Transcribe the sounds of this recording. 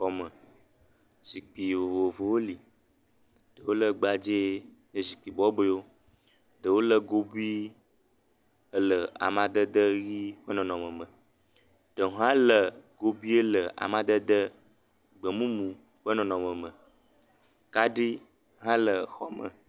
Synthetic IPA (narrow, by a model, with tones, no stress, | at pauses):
xɔ˦mə˨ | zi˨k͡pi˨vo˨vo˨vo˨wo˦li˨ | ɖ̥ə˨wo˦lə˦ɡ͡ba˨d͡ʒe˦ | ɲə˦zi˨k͡pi˨bɔ˦be˦wo˦ | ɖə˨wo˦lə˨ɡo˦bi˦ | ə˦lə˨a̰˨mã˨d̪ə˦d̪ə˦ɣi˦ɸə˦nɔ̃˨nɔ̃˨mə̃˨mə̃˨ | ɖ̥ə˨ɦã˦lə˨ɡo˦bi˦ə˦lə˨ʔa̰˨mã˨d̪ə˦d̪ə˦ | ɡ͡bə˨mũ˦mũ˨ | ɸə˦nɔ̃˨nɔ̃˨mə̃˨mə̃˨ | ka˦ɖi˦ | ɦã˦lə˨xɔ˦mə̰˨